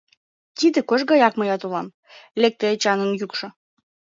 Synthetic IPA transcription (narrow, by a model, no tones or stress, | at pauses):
t̪id̪ĕkoʃɡɑjɑkməjɑt̪ulɑm | lek̚t̪et͡ɕɑnənjukʃɤ̆